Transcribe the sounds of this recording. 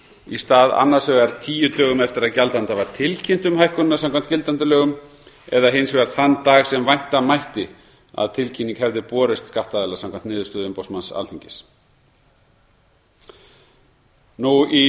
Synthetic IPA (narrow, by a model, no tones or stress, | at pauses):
ist̪aːða̰nːḁsœɣaɾt̪ʰiːjʏt̪œːɣʏmɛft̪ɪɾaðcalt̪ant̪avaɾ̥t̪ʰɪlcʰin̥t̪ʏmhajhkʏnːasamkʰvamn̥t̪cɪlt̪ant̪̬ʏlœːɣʏm | ɛðaɦɪnsvɛɾθanːt̪aːɣsɛmvajn̥t̪amajht̪ɪ | a̰ðt̪ʰɪlcʰiniŋkhɛvðɪpɔːɾɪst̪skaft̪aðɛlasamkʰant̪nɪːðʏ̥ɾst̪œːðʏmpowsmansa̰lt̪iɲcɪs | nui